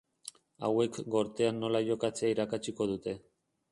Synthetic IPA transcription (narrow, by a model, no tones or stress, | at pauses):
a̰we̞kɡo̞ɾt̪e̞anːo̞laʝo̞kat͡se̞aiɾakat͡ʃiko̞ðut̪e̞